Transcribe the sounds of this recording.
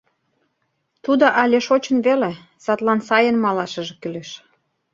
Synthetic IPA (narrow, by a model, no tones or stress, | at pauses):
t̪ud̪oʔɑlʲeʃot͡ɕənβele | sɑt̪lɑnsɑjənmɑlɑʃə̆ʒekyleʃ